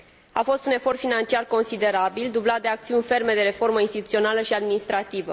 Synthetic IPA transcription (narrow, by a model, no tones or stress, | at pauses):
afo̞st̪une̞fo̞rt̪finant͡ʃiarko̞nsid̪e̞ɾabild̪ublat̪̚d̪e̞ak̚t̪siunʲfe̞rme̞d̪e̞ɾe̞fo̞rməinst̪it̪ut̪sio̞naləʃiad̪minist̪ɾat̪ivə